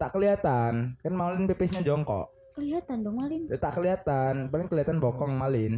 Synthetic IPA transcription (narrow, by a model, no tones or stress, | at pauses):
t̪aʔkəliat̪ankanmalɪnpepɛsɲad͡ʒɔŋkɔ̰ʔ | kəliat̪andɔŋmalɪnt̪aʔkəliat̪anpalɪŋkəliat̪anbɔkɔŋmalɪn